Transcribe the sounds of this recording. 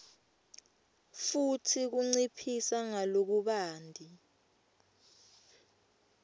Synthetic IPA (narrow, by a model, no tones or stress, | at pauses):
futʰik̬uŋ͡ǀipʰisaŋalok̬uɓaːndʱi